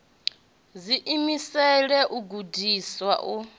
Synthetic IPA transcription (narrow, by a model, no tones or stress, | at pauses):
ziʔimisɛɺɛʔuɡudʱiswa̰ʔu